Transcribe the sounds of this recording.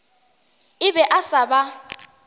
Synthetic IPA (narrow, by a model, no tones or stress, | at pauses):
ɪbɛʔasaba